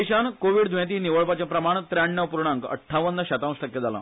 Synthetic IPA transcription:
iɕankoʋiɽd̪ʋãt̪̬iːniʋəɭpat͡ɕjãpɾəmaɳ̃t̪ɾaɳːəʋpuɾɳãŋkə̰ʈʰːaʋənːaɕət̪ãsʈəkːjed͡zʱala̰

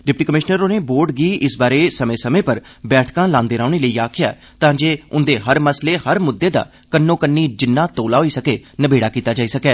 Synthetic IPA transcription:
ɖɪp̚ʈiːkəmɪʃnəɾoːneːboːɾɖɡiːɪsbaːɾeːsəmẽːsəmẽːpəɾbɛːʈʰkãːlãːnd̪eːɾaːɳeːləiːaːkʰɪjaː | t̪ãːd͡ʒeːʊnd̪eːɦəɾməsleːhəɾmʊd̪ːeːd̪a̰ː | kənːõːkənːiːd͡ʒɪnːãːt̪oːlaːɦoːiːsəkeːnəbeːɽaːkiːt̪aːd͡ʒaːiːsəkɛː

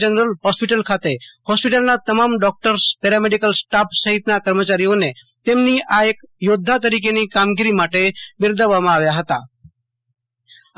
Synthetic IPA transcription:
ənɾəlɦɔspiʈəlkʰat̪ehɔspiʈəlnat̪əmamɖɔk̚ʈəɾspɛɾameɖikəlsʈapʰsəɦit̪nakəɾmət͡ʃaɾijone | t̪emniʔaekjod̪ʱːat̪əɾik̬enikamɡiɾimaʈebɪɾd̪əʋamãaʋjaɦət̪a̰

